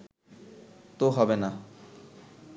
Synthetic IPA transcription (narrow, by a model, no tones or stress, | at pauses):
t̪oɦɔbena